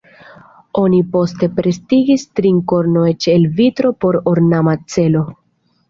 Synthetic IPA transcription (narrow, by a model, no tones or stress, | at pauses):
o̞nipo̞ste̞pɾe̞stiɡistɾiŋko̞ɾnojt͡ʃelvitɾo̞po̞ɾoɾnamat͡se̞lo̞